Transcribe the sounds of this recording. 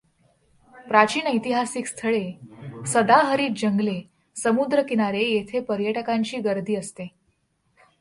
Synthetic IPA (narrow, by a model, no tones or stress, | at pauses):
pɾat͡ɕiːnəjt̪iɦasiːkst̪ʰəɭesəd̪aɦəɾiːt̪̚d͡ʑəŋɡle | səmud̪ɾəkiñaɾejet̪ʰepəɾjəʈəkaɲt͡ɕiːɡəɾd̪ʱiːəst̪e